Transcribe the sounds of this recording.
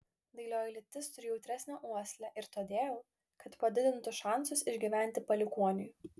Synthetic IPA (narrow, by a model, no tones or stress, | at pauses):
d̪ɐɪlʲoːɪlʲɪt̪ʲɪst̪ʊɾʲɪːjɛʊt̪ʲɾʲæsʲnʲæːʔuɔsʲlʲæʔɪɾt̪oːd̪ʲeːjlˠ | kɐt̪pɐd̪ʲɪd̪ʲɪnt̪ʊsʃɑˑnˑsʊsɪʒʲɡʲiʋʲæˑnʲt̪ʲɪpɐlʲɪkuɔnʲɪjʊ